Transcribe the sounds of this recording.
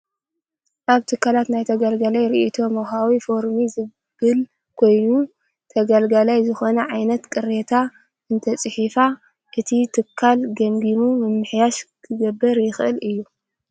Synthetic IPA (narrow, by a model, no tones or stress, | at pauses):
ʔaβt̪ʰɨkʰːalat̪najt̪ʰɐɡalɡalajɾiʔit̪ʰo̞mɐxawifo̞ɾmizɨ | bɨl | kʰo̞jnu | t̪ʰɐɡalɡalajzɨxo̞nɐʕajnɐt̪kʼɨɾet̪ʰa | ʔɨnt̪ʰɐt͡sʼɨħifa | ʔɨt̪ʰit̪ʰɨkʰːalɡɐmɡimumɨmːɨħjaʃkʰɨɡɐbːɨɾjɪxʔɨlɨjːu